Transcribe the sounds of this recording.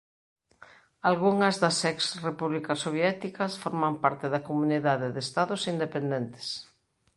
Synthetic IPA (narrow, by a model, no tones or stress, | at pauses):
alɣuŋɐzðɐsɛksrepuβlikɐsoβjɛt̪ikɐsfoɾmampaɾt̪ɪðɐkomuniðaðeðest̪aðʊsind̪epend̪ɛnt̪e̥s